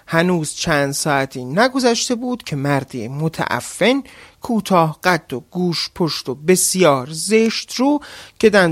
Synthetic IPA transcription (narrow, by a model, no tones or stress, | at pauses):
hænuːz̥t͡ʃʰæːnd̪sɒːʔæt̪ʰiːnæɡo̞zæʃt̪e̞buːd̪̥cʰe̞mæɾd̪imot̪ʰæ̰ʔæ̰fːe̞nkʰuːt̪ʰɒːhɢ̥æd̪ːoɡuːʃpʰoʃt̪o̞be̞sjɒːɾzeʃt̪ɾuːcʰe̞d̪æ